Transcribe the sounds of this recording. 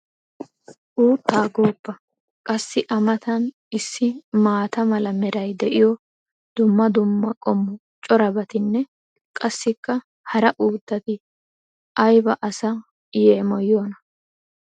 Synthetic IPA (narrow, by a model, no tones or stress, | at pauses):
ʔuːt̪ːaːɡoːpːɐ | kʼɐsːɪʔɐmɐt̪ɐn | ɪsːɪmaːt̪ɐmɐlɐmɛɾɐjd̪ɛʔɪjɔ | d̪̥ʊmːɐd̪ʊmːɐkʼɔmːʊ | t͡ʃʼɔɾɐbɐt̪ɪnːɛ | kʼɐsːɪkːɐ | hɐɾɐʔuːt̪ːɐt̪ɪ | ʔɐjbɐʔɐsɐ | jeːmɔjoːnɐ